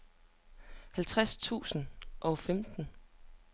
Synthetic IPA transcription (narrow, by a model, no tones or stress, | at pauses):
hælt͡sʰʁast͡sʰṵːsn̩ʔɒ̽femd̥n̩